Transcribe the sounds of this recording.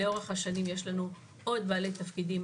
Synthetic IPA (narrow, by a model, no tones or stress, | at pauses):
eo̞ʁeχhaʃanimje̞ʃlanu | ʔo̞d̚baːle̞jt̪afkidim